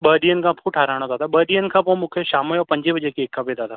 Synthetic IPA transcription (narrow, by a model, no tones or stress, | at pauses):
ɓəːɗijənkapʰuʈʰaːɾaːɽ̃at̪aːt̪ʰaɓəːɗijənkʰapõmʊ̃kʰjeʃaːməjɔːɾpɐ̃ɲd͡ʒebəd͡ʒekeːkːapeːd̪aːt̪ʰaː